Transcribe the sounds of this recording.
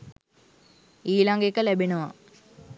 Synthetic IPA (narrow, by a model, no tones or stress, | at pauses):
iːlaŋɡekːəlebinɐʋa̰